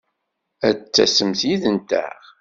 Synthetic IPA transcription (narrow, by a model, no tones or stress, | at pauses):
æt͡sːæ̰səmθjiðənt̪æ̰ʁ